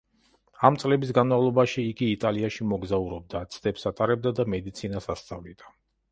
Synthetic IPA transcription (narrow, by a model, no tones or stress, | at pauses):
amt̪sʼlɛbisɡanmavlˠɔbaʃiːɡiːt̪ʼaliaʃimɔɡzauɾɔb̚d̪at̪sʰd̪ɛpsat̪ʼaɾɛb̚d̪ad̪amɛd̪it̪sʰinasast̪sʼa̰vlid̪̥a